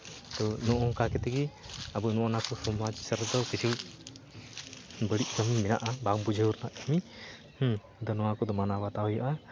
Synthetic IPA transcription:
t̪ɔnɔʔɔkakɛt̪ɛɡiabunɔʔɔnakɔsɔmad͡ʒsəɾd̪ɔkisi | bəɽiʔkəmimɛna̰ʔabaŋbud͡ʒəuɾnaʔkəmi | d̪ɔnɔwakɔd̪ɔmanawat̪awɔjɔʔa

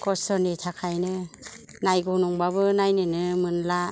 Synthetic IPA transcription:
kɔsɔnitʰakʰajnɯ | najɡɔnɔŋbabɯnajnɯnɯmɯnla

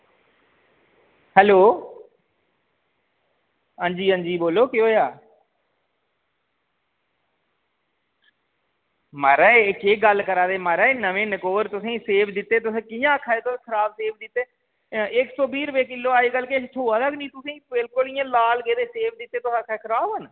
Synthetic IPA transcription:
hɛːloː | ãːɲd͡ʒiːə̃ːnd͡ʒiːboːloːkɪoːjaː | məɾɛːekeːɡəlkəɾaːd̪eːməɾɛːnəʋẽːnəkoːɾt̪ʊsẽːseːʋd̪ɪt̪ːeːt̪̬ʊsẽːkɪjãːkʰaːeːt̪ʊ̃ːkʰəɾaːbseːʋd̪ɪt̪ːeː | ɪksoːbiːɾʋeːkɪlːoːaːekəlket̪ʰoːaːd̪aknĩːt̪ʊsẽːbɪlkʊlɪjãːlaːlɡeːd̪eːseːʋd̪ɪt̪ːeːt̪ʊsãːkʰaekʰəɾaːbən

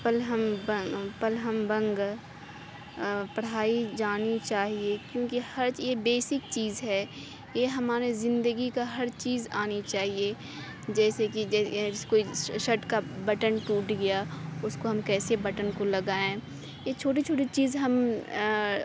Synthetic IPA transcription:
pɐlɦəmbəpɐlɦəmbɐ̃ŋɡ | pɐɽ̤aːid͡ʒaːnit͡ʃaːɦiekjõːkihɐɾjebeːsɪk̚t͡ʃiːzɦɛ | jeɦɐmaːɾizɪ̃nd̪əɡikaɦɐɾt͡ʃiːzaːnit͡ʃaːɦie | d͡ʒɛːsekiɛskoːiʃɐʈkabɐʈənʈuːʈɡɐjaʊskoɦɐmkɛːsebɐʈənkolɐɡaːẽ | jet͡ʃʰoːʈ̬it͡ʃʰoːʈ̬it͡ʃiːzɦɐm

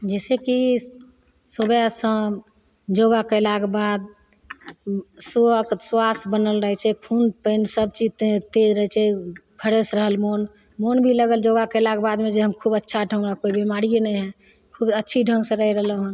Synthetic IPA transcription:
d͡ʒɛseki | sobjasə̃ | d͡ʒoɡakəɪlakebad̪ | soəkswasbənəlɾəɦɛt͡ʃʰɛkʰunpənsəb̚t͡ʃid͡ʒt̪t̪ed͡ʒɾəɦɛt͡ʃʰɛpʰəɾesɾəɦəlmon | monbʱiləɡəld͡ʒoɡakəlakebad̪med͡ʒeɦəmkʰubətːʃʰaɖʱə̃ŋɡakoibimaɾienɛɦɛ̃ | kʰubətːʃʰiɖʱə̃ŋɡsẽɾəɦɛɾəɦələɦə̃

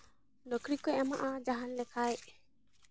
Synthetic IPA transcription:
lokɾikeɛmaʔad͡ʒaɦanlɛkʰajʔ

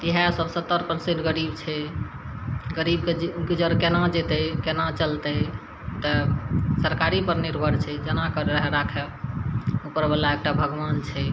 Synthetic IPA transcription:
t̪iɦɛsəbsət̪ːəɾpəɾseʈɡəɾibt͡ʃʰɛ | ɡəɾibkkid͡ʒəɾkenad͡ʒet̪ɛkenat͡ʃəlt̪ɛ | t̪əsəɾkaɾipəɾniɾbʱəɾt͡ʃʰɛd͡ʒənakəɾeɾəɦɛɾakʰɛ | upəɾbelaek̚ʈabʱəɡʋant͡ʃʰɛ

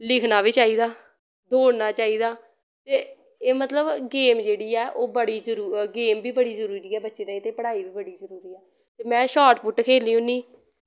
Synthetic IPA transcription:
lɪkʰnaːbiːt͡ʃaːiːd̪aː | d̪oːɽnaːt͡ʃaːiːd̪aː | t̪eː | eːmət̪ləbɡeːmd͡ʒeːɽiːɛːʔoːbəɽiːzəɾuɡeːmbiːbəɽiːzəɾuːɾiːɛːbətːʃeːd̪aːit̪eːpəɽaːiːbiːbəɽiːzəɾuːɾiːɛː | t̪eːmɛ̃ːʃaːʈpʰʊʈkʰeːliːũːniː

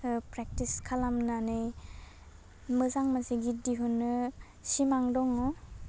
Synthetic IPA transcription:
pɾek̚tiskʰalamnanɯj | mɯzaŋmaseɡidiɦunːɯ | simaŋdɔŋɔ

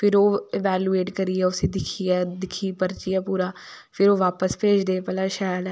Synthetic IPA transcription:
pʰɪɾoːɪʋɛːlueːʈkəɾiɛːʊsẽːd̪ɪkʰiɛːd̪ɪkʰiːpəɾt͡ʃiːɛːpuːɾaː | pʰɪɾoːʋaːpəspeːd͡ʒd̪eːpɛlaːʃɛːlɛː

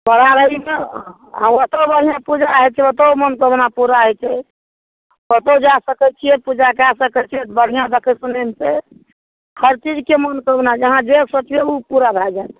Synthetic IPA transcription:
bəɽ̤aɾəɦime | a̰ot̪obəɽ̤ijãpud͡ʒaɦɛt͡ʃʰɛwət̪əwmənkəbnapuɾaɦɛt͡ʃʰɛ | ət̪əd͡ʒasəkɛt͡ʃʰijɛpud͡ʒakeasəkɛt͡ʃʰiɛbəɽ̤ijãd̪ekʰəsunemse | həɾt͡ʃid͡ʒkemənkəbnad͡ʒəɦãd͡ʒeksot͡ʃbeupuɾabʱɛd͡ʒajt̪

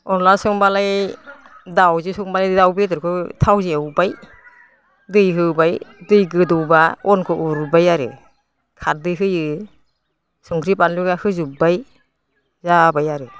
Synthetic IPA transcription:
ɔnlasɔŋbalaj | dawzusɔŋbalajdɯdawbitɯɾkʰɯtʰawzeawbaj | dɯjɦɯbajdɯjɡɯdɔwbaɔnkʰɔʔuɾubajaɾɯ̰ | kʰat̚dɯjɦɯjɯ | suŋkʰɾipanluɡahɯzubaj | zabajaɾɯ

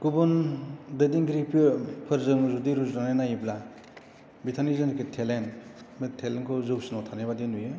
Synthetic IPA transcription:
kubɯndɯdiŋɡɾipʰipʰɯɾzɯŋzudiɾuznanajnajibla | bitʰanizɯnkʰetʰelenmetʰelenkʰɯzɯp̚sinɔtʰanejbadinuje

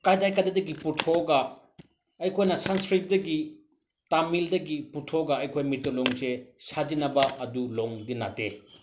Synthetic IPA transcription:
kajdajkadedɐɡipuɾtʰoɡa | ɐjkʰojnɐsanskɾip̚dɐɡi | tamildɐɡipuɾtʰoɡɐɐjkʰojmitːoloŋsesad͡ʒinɐbɐʔɐduloŋdina̰te

